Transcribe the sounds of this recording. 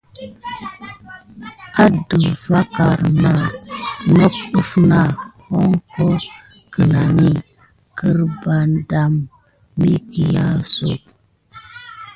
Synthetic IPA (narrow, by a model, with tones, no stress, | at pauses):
a˦də˨va˦ka˨ɾna˦no˦k̚ɗu˦fna˦˨ho˦ŋko˦ | kə˨na˨ni˦ | kə˦ɾba˨nda˦mː | i˦ki˨ja˦so̰˨p